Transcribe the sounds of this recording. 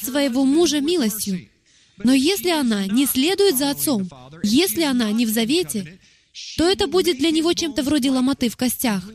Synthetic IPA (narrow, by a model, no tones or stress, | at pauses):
svəjɪvo̞muʐəmʲilˠəsʲtʲjʊ | no̞jesʲlʲɪɐnanʲɪsʲlʲe̞d̪ʊjɪt̪zɐɐt̪so̞mjesʲlʲɪɐnanʲɪvzɐvʲetʲɪ | t̪o̞ɛt̪əbudʲɪt̪̚d̪lʲɐnʲɪvo̞t͡ɕe̞mt̪əvɾo̞dʲɪlˠəmɐt̪ɨfkɐsʲtʲax